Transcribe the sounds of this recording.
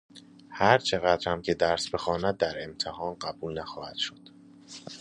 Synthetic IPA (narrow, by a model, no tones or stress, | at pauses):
hæɾt͡ʃʰe̞ɣæd̪ɾæmcʰe̞d̪æɾsbe̞xɒːnæd̪̚dːæɾe̞mt̪ʰehɒːnɢæbuːlnæxɒːhæd̪̥ʃod̪̥